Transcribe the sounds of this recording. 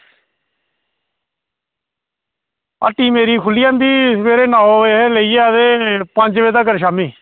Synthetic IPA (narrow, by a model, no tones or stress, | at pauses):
a̰ːʈːiːmeːɾiːkʰʊlɪjaːnd̪iːmeːɾeːnãːoeləiːeːəd̪eːpə̃ɲd͡ʒʋeːt̪aːkəɾʃaːmiː